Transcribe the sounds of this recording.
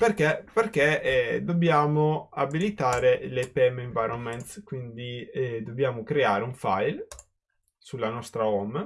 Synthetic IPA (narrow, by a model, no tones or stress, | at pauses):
perkeperk̟ed̪objaːmoabilit̪aːɾelepɛmeɱvajɾonment̪skwind̪id̪objaːmokɾeaːɾeuɱfajl | sulːanɔst̪ɾaɔm